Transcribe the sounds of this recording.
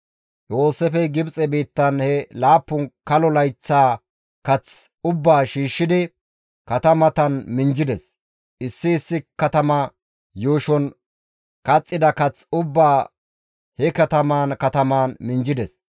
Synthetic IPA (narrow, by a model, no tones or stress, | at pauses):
joːsɛfɛɡɪbt͡sʼɛbiːt̪ːɐnhɛlaːpːʊnkɐlɔlɐjt͡sːaː | kɐt͡s | ʊbːaːʃiːʃːɪd̪ɪ | kɐt̪ɐmɐt̪ɐnmɪnd͡ʒɪd̪ɛs | ʔɪsːɪːsːɪkɐt̪ɐmɐ | joːʃɔn | kɐt͡sʼːɪd̪ɐkɐt͡sʊbːaː | hɛkɐt̪ɐmaːnkɐt̪ɐmaːnmɪnd͡ʒɪd̪ɛs